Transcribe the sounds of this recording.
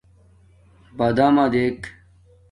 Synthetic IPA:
bɐd̪aːmaːd̪eːk

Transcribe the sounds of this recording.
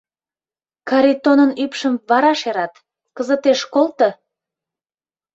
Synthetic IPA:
kɑɾʲit̪onənypʃəmβɑɾɑʃeɾɑt̪ | kəzət̪eʃkolt̪ə

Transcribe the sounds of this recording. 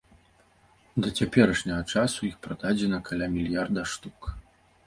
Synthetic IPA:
d̪ɐt͡sʲapʲɛɾɐʂnʲɐɣɐt͡ʂasuixpɾad̪̥ad͡zʲɛnɐkʰalʲamʲilʲjard̪ɐʂt̪uk

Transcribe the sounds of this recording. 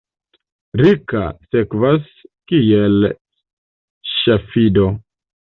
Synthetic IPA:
ɾika̰sekvas | kiel | ʃafido

